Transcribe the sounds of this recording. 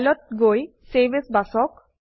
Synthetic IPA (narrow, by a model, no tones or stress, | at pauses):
lɔt̪̚ɡoj | sebesbasɔk